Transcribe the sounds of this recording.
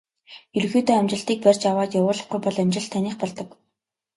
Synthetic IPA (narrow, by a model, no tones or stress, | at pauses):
eɾ̆xeːt̪oːæmt͡ɕɪ̆ɬt̪iːk̚pærʲt͡ɕawaːt̪jawʊːrɮɞ̆χɡujpɔɮamʲt͡ɕɪ̆ɬt̪ʰːaniːχpɔɮt̪ɞ̆k